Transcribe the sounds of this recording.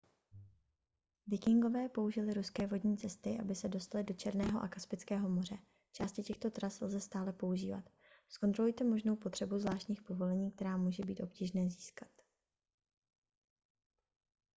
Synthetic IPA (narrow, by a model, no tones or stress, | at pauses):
vɪkɪŋɡo̞vɛːpo̞uʒɪlɪɾuskɛːvo̞dɲiːt͡sɛst̪ɪʔa̰bɪsɛdo̞st̪alɪdo̞t͡ʃɛɾnɛːɦo̞̰ʔakaspɪt͡skɛːɦo̞mo̞r̝ɛ | t͡ʃaːscɪcɛxt̪o̞t̪ɾaslzɛst̪aːlɛpo̞uʒḭːva̰t̪ | sko̞nt̪ɾoujt̪ɛmo̞ʒno̞wpot̪r̥ɛbuzvlaːʃt̪ɲiːxpo̞vo̞lɛɲiːk̚t̪ɛɾaːmuːʒɛbiːt̪ʔo̞pciːʒnɛːziːskḁt̪